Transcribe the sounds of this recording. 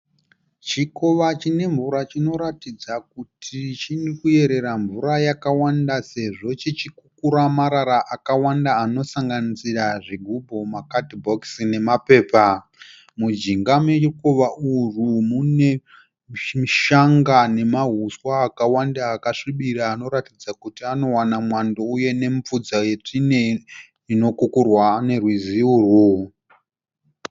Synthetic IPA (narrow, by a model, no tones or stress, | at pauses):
t͡ʃiko̞ʋat͡ʃine̞ɱvuɾat͡ʃino̞ɾatid͡zak̚utʰit͡ʃinikue̞ɾe̞ɾaɱvuɾajakawandase̞ʐo̞t͡ʃit͡ʃikukuɾamaɾaɾaʔakawandaːno̞saŋɡanisiraʐiɡʱubʱomakatbʱoksine̞mape̞ːpa | mud͡ʒiŋɡamekoʋaʔurumune̞ | iʃaŋɡane̞maɦuswaːkawandaːkaʂiɓiɾaːno̞ɾatid͡zakutiano̞wanamwandouje̞ne̞ɱfud͡zaje̞t͡ʂine | ino̞kukurwane̞rwiziurwu